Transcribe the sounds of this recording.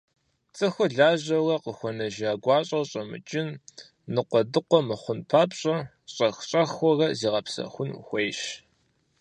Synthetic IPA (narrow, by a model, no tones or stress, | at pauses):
t͡sʼɨxʷɔɮaːʑɐrɐqəxʷɔnɐʒaːɡʷɑːɕʼɐwɕʼɐmɨ̰t͡ʃʼɪnː | ɨqʷɔdɨqʷɔmɨχʷʊnpʰaːpʼɕʼɐ | ɕʼɐxɕʼɐxʷɔrɐziːʁɐpsɐ̰xʷʊn̰xʷejɕ